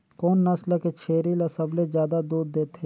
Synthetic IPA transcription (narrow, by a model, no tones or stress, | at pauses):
koːnːɐsləket͡ʃʰeːɾilɐsɐblezjaːd̪ad̪uːd̪ːeːt̪ʰeː